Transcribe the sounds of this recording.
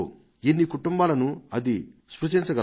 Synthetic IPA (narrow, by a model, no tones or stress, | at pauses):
enːikuʈumbaːlɐnuɐd̪ispɾut͡ʃiɲt͡ʃɐɡɐ